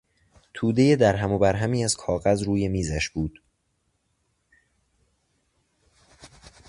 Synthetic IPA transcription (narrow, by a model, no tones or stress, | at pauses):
t̪ʰuːd̪e̞jed̪æɾɦæmobæɾɦæmiːæz̥kʰɒːɣæzɾuːje̞miːzæʃbuːd̪̥